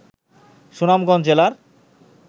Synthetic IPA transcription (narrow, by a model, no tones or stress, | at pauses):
ʃunamɡɔnd͡ʑelaɾ